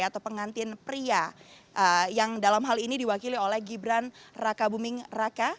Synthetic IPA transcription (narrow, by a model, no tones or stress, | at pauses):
at̪awpəŋant̪ɪnpɾiaʔəjaŋdalamɦalinidiwakiliolɛhɡibɾanrakabumɪŋraka